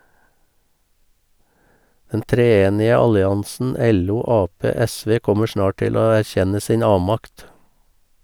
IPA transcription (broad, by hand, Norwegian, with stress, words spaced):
ˈdɛn tɾeːˈeːnɪə ˈɑlɪˌɑnsn̩ ˈɛluː ˈɑːˌpeː ˈɛˌsʋeː ˈkɔmə ˈʃnɑː ˈʈɪl ˈoː æɾˈçɛnə ˈsiːn ˈɑːʋmɑkt